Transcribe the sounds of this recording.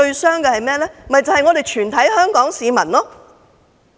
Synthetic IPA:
ɵ˧ɥsœː˥ŋkɛ˧hɐ˨jmɛː˥lɛː˥m̩mɐ˨jt͡sɐ˨˩whɐ˨jŋɔː˨˧ɾe˨˩jt͡ʃʰyː˨˩nt̪ʰɐ˨˥jhœː˥ŋkɔː˨˥ŋsiː˨˧mɐ˨˩nlɔː˥

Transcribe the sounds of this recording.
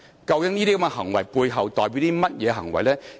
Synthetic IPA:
kɐ˧wkɪ˥ŋniː˥t̪iː˥kɐ˧˦mŋɛ˧ɦɐ˨˩ŋwɐ˨˩jpuː˧jɦɐ˨wt̪ɔː˨jpi˨˧˥wt̪iː˥mɐ˥t̚jɛː˨˧ɦɐ̰˨˩ŋwɐ̰˨jlɛː˥

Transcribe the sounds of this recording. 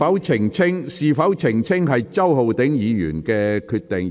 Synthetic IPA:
ɐ˨˥wt͡sʰɪ˨˩ŋt͡sʰɪ˥ŋsiː˨˧fɐ˨˥wt͡sʰɪ˨˩ŋt͡sʰɪ˥ŋɦɐ˨jt͡sɐ˥who˨wt̪ɪ˨˥ŋjiː˨˧jy̰ː˨˩nkɛː˧kʰyː˧t̪̚ːɪ˨ŋ

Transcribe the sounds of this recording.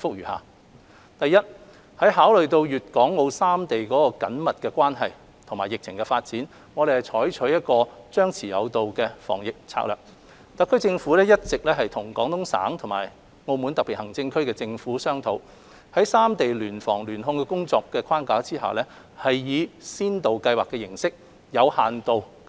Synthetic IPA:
fʊ˥k̚jyː˨˩ha̰ː˨˧ | t̪ɐ˨jɐ˥t̚ | hɐ˨˥jɦaː˨˥wlɵ˨ɥt̪o˧wjyː˨t̚kɔː˨˥ŋːo˧wsaː˥mt̪e˨jkɔː˨˥kɔː˧kɐ̰˨˥nmɐ˨t̚kɛː˧kʷwaː˥nɦɐ˨j | t̪ʰʊ˨˩ŋmaː˨˩jɪ˨k̚t͡sʰɪ˨˩ŋkɛ˧faː˧t̚t͡siː˨˥n | ŋɔ˨˧ɾe˨˩jhɐ˨˩jt͡ʃʰɔː˨˥jt͡ʃʰɵ˨˥jɐ˥t̚kɔː˧t͡sœː˥ŋt͡sʰiː˨˩jɐ̰˨˧wt̪o˨˧wkɛː˧fɔ̰ː˨˩ŋjɪ˨k̚t͡sʰa̰˧˥k̚lœ̰ː˨k̚ | t̪ɐ˨˥kʰɵ˥t͡sɪ˧ŋfuː˨˥lɛː˥jɐ˥t̚t͡sɪ˨k̚lɛː˥ɦɐ˨jt̪ʰʊ˨˩ŋkɔː˨˥ŋt̪ʰʊ˥ŋsa̰ː˨˥ŋt̪ʰʊ˨˩maː˨˩j | ŋo˧wmu˨˥nt̪ɐ˨k̚pi˨˩hɐ˨˩ŋt͡sɪ˧ŋkʰɵ˥ɥkɛː˧t͡sɪ˧ŋfuː˨˥sœː˥ŋt̪ʰo˨˧w | hɐ˨˥jsaː˥mt̪e˨jlyː˨˩nfɔː˨˩ŋlyː˨˩nɦʊ˧ŋkɛː˧kʊ˥ŋt͡sɔː˧kːɛː˧kʰaː˥nkaː˨˥t͡siː˥ɦa̰˨wlɛː˥ | hɐ˨jjiː˨˧siː˥nt̪o˨wkɐ˧jwaː˨˩kːɛː˧jɪ˨˩ŋsɪ˥k̚ | jɐ˨˧whaː˨nt̪o˨w

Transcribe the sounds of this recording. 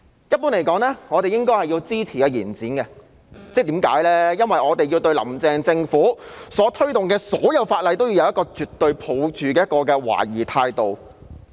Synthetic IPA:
jɐ˥t̚puː˥nle˨˩jkɔː˨˥ŋlɛː˥ŋɔː˨˧t̪e˨jɪ˥ŋkɔː˥jhɐ˨jiː˧wt͡siː˥t͡sʰiː˨˩kɛː˧jiː˨˩nt͡siː˨˥nkɛ˧ | t͡sɛː˥t̪iː˨˥mka̰ː˨˥jlɛː˥jɐ˥nwɐ˨jɔː˨˧t̪e˨ji˧wt̪ɵ˧ɥlɐ̰˨˩mt͡sɛː˨ŋt͡sɪ˧ŋfuː˨˥sɔː˨˥t̪ʰɵ˥ɥt̪ʊ˨ŋkɛː˧sɔː˨˥jɐ˨˧wfaː˧t̚lɐ˨˧jt̪o˥wjiː˧wjɐ˧jɐ˥kɔː˧t͡ʃyː˨t̪ːɵ˧ɥpʰo˨˧wt͡ʃyː˨kɛː˧˦jɐ˥tkɔː˧kɛː˧wa̰ː˨˩jiː˨˩t̪ʰaː˧jt̪o˨w

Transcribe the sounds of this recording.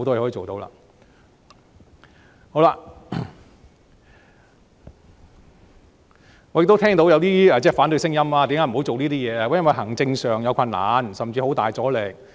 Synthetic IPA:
t̪ɔ˥jɛː˧ɔ˧˥i˧˨o˨wt̪o˨˥wla̰ː˧ | ho˨˥wla˧ | ŋɔ˨˧je˨k̚t̪o˥t̪ʰɛː˥ŋt̪o˨˥wjɐ˨˧wt̪iː˥ɛ˨˧t͡sɛː˥˩faː˨˥nt̪ɵ˧ɥsɪ˥ŋjɐ˥mlaː˧t̪iː˨˥ŋkːaː˨˥m˨˩o˨˥wt͡so˨wniː˥t̪iː˥jɛː˨˧aː˧wa˧˥jɐ˥wɐ˨˩jɦɐ˨˩ŋt͡sɪ˧ŋsœː˨ŋjɐ˨˧wkʰɐ˧nːa̰ː˨nsɐ˨mt͡siː˧ho˨˥wt̪aː˨˩jt͡sɔː˨˥lɛ˨˩k̚

